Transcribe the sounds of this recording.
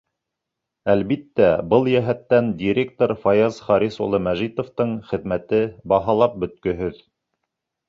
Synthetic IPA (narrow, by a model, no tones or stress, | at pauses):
ælβit̪ːæbɤlˠjæɦæt̪ːænd̪ʲiɾʲe̞k̚t̪oɾfɑjɑzχɑɾiso̰lˠɤmæʒit̪ŏft̪ɤɴχɘ̆ðmæt̪ɘbɑɦɑlˠɑp̚bɵ̆t̪̚kɵ̆ɦɵð